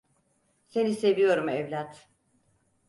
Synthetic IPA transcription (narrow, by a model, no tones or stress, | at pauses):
se̞nise̞vijo̞ɾumɛvlʲat̪